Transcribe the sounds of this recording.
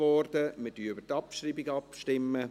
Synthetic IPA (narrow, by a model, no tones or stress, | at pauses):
ɔrd̥əmədyːʏbətɑpʃriːbɪɡɑpʃtɪmːə